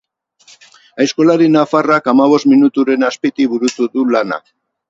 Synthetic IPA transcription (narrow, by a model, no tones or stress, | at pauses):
ajsko̞laɾinafarakamaβ̞o̞st̪minut̪uɾe̞naspit̪iβuɾut̪uðulana̰